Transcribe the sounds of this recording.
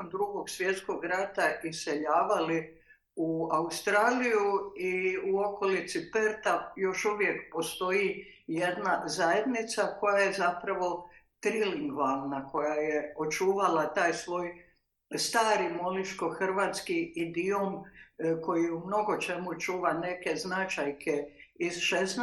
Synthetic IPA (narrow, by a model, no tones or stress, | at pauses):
ond̪ɾuɡo̞ɡsʋje̞t̪sko̞ɡɾat̪aʔise̞ʎaːʋali | uaust̪ɾaːlijuiuo̞ko̞lit̪sipeɾt̪ajo̞ʃuʋje̞kpo̞st̪o̞i | je̞d̪nazaje̞d̪nit̪sako̞jaje̞zapɾaʋo̞t̪ɾiliŋɡʋalnako̞jajeot͡ʃuːʋalat̪aːjsʋo̞ːj | st̪aːɾimo̞liʃko̞xr̩ʋaːt̪skiːd̪iomko̞jiumno̞ɡo̞t͡ʃe̞mut͡ʃuːʋane̞ke̞znat͡ʃajkʰeizʃes